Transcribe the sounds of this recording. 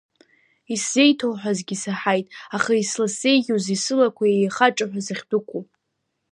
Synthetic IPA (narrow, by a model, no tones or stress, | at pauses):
isze̞jtʰowħʷᶣazɡʲisaħajtʼaχaislasejɡʲuzisɨlakʷʰaejχaʈ͡ʂʼaħʷᶣazaχʲdɨkʷʰu